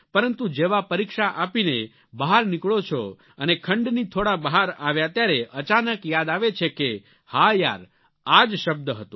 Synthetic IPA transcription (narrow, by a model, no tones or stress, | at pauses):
pəɾənt̪ud͡ʒeʋapəɾikʃaʔapine | bəɦaɾnɪkɭot͡ʃʰo | ənekʰəɳɖnit̪ʰoɽabəɦaɾaʋjat̪jaɾeʔət͡ʃanəkjad̪aʋet͡ʃʰeke | haja̰ɾ | ad͡ʒʃəb̚d̪əɦət̪ũ